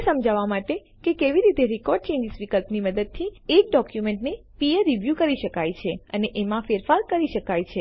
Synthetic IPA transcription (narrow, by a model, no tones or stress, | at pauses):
səmd͡ʒaʋamaʈe | kekeʋiɾit̪eɾikɔɾɖ̚t͡ʃẽɲd͡ʒisʋikəlpniməd̪əd̪̚t̪ʰiek̚ɖɔkjumeɳʈnepijəɾːiʋjukəɾiʃəkajt͡ʃʰeəneʔemãfeɾfaɾkəɾiʃəkajt͡ʃʰe